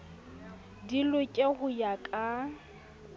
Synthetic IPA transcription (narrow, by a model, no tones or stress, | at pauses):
dilʊkʼeɣʊjakʼa